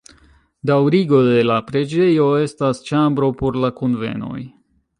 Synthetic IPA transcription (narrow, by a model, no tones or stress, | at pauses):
dawɾiɡo̞de̞lapɾe̞d͡ʒe̞jo̞e̞stast͡ʃambɾo̞po̞ɾlakonve̞̰no̞̰j